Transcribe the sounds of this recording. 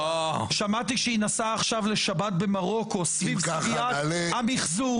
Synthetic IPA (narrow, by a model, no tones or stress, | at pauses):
ʃamat̪iʃeinasaːχʃavle̞ʃabat̪̚be̞maʁo̞ko̞svivialamiχzu